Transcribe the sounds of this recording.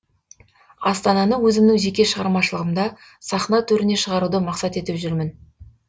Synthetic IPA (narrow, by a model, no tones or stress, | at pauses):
ɑst̪ɑnɑnəwɵzɪmnɪʒe̞kʲe̞ʃəʁɑɾmɑʃəlˠəʁəmd̪ɑ | sɑχnɑt̪ʰɵɾɪne̞ʃəʁɑɾud̪əmɑqsɑt̪e̞t̪ɪpʒʏɾmɪn